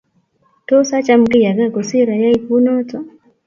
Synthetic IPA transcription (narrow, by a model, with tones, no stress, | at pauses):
tɔ˦sa˦t͡ʃa˦m̩ki˦ja˨ɡa˦˨kɔ˨si˦ɾa˨ja˦i˦˨ku˦nɔ˦tɔ˦